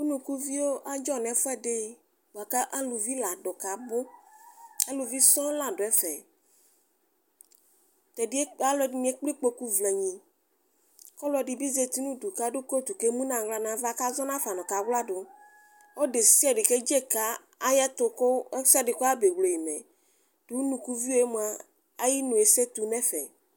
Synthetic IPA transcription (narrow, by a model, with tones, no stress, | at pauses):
u˦nũ˨ku˦vi˦wo˦ʔa˦d͡ʒɔ˦nɛ̃˨fɛ˦ɖe˦ | bo˨a˨ka˦ʔa˦lu˨vi˦la˨ɖo˨ka˨bʊ˦ | a˦lu˨vi˦sɔ̃˦lã˨ɖo˨ɛ˦fɛ˨ | t̪ɛ˨di˦e˦a˦lɔ˨di˦mĩ˨˦e˦k͡pli˦k͡po˦ku˦vlɛ˨ɲĩ˨ | kɔ˦lɔ˦ɖi˨bi˦ze˨t̪i˦nũ˦du˨ka˦dʊ˦ko˦t̪u˨ke˦mũ˦nã˨wla˨nã˨va˦ka˦zɔ˦nã˦fa˨nɔ̃˨ka˨wla˦dʊ˨ | o˦ɖe˨si˦ɛ˦˨ɖɪ˨ke˦d͡ʒe˦ka˦ | a˦jɛ˦t̪ʊ˨ko˦sɛ˦dɪ˨ko˦a˦be˨wlo˨ji˨mɛ̰˨ | d̥u˨˦u˦nũ˨ku˦vi˦o˦e˦mũ˨a˦ | a˦ji˦nũ˨e˨se˦t̪u˦nɛ˦fɛ̰˨